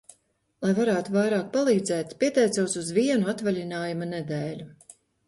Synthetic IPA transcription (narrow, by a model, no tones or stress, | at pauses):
lˠajvaɾaːt̪uvajɾaːk̚palˠiːd̪zɛːt̪pʲiɛt̪ɛjt̪suwsuzviɛnuat̪valʲinaːjumɐned̪ɛːlʲu